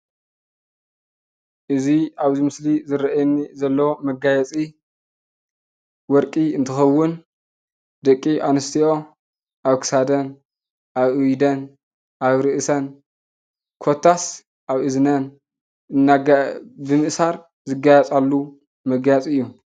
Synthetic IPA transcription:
ʔɨziaβzimɨslizɨɾɐʔajnːizɐlːɐwomɐɡajɛt͡sʼi | wɔɾkʼiɨnt̪ʰɨxɐwːʊn | d̪ɐkʼːiʔanɐst̪ʰiʔo̞ | ʔaβkʰɨ̥sad̪ɐn | ʔaβʔujd̪ɐn | ʔaβɾɨʔsɐn | kʰo̞t̪ʰːas | ʔaβʔɨznɐn | ɨnːaɡbɨmɨʔsaɾ | zɨɡajɛt͡sʼalːu | mɐɡajɛt͡sʼɨjːu

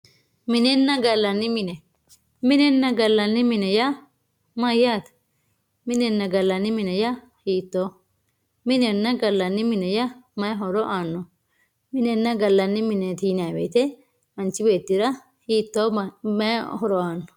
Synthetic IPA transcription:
mɪnɛnːɐɡɐlːɐnːɪmɪnɛ | mɪnɛnːɐɡɐlːɐnːɪmɪnɛjɐ | mɐjaːt̪ | mɪnɛnːɐɡɐlːɐnːɪmɪnɛjɐ | hiːt̪ːo | mɪnɛnːɐɡɐlːɐnːɪmɪnɛjɐmɐɦɔɾɔʔaːnːɔ | mɪnɛnːɐɡɐlːɐnːɪmɪnɛt̪iːnabḛːt̪ɛ | mɐnt͡ʃːɪbeːt̪ːɪɾɐ | hiːt̪ːoːmɐhɔɾɔaːnːɔ̥

